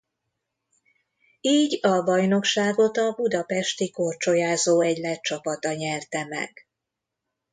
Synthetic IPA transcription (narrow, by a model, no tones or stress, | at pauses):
iːɟɒbɒjno̞kʃaːɡo̞t̪ɒbud̪ɒpɛʃt̪ikort͡ʃo̞jaːzoːɛɟlɛt̪̚t͡ʃɒpɒt̪ɒɲɛrt̪ɛmɛ̰ɡ̥